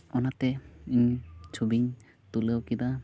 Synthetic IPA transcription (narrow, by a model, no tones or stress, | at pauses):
ɔnat̪ɛiɲt͡ʃʰobiɲ | t̪uləwkid̪a